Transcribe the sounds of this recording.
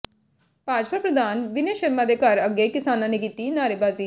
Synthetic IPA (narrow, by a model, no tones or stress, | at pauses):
paːd͡ʒpapɾəd̪aːnʋɪneːʃəɾmaːd̪eːkəɾəɡːeːkɪsaːnãːneːkiːt̪iːnaːɾeːbaːziː